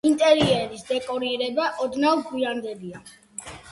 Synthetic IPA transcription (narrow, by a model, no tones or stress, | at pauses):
int̪ʼɛɾiɛɾisd̪ɛkʼɔɾiɾɛbaʔɔd̪navɡwiand̪ɛlia